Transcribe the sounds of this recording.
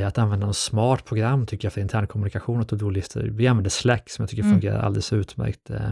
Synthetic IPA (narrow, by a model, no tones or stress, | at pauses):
at̪anvɛnd̪anɔsmɑːʈpʰɾʊɡɾamːt̪ʰʏkːəɾjafœɾɪnt̪ʰæːɳkʰɔmɵnɪkaɧuːnat̪ɔd̪ulɪst̪ʰə̰ɾvɪanvɛnd̪əslɛkːsɔmja̰t̪ʏ̥kːəɾfɵŋɡeːɾa̰ɾʔa̰ld̪ɛlɛsʉ̟ːt̪mæ̰ɾkt̪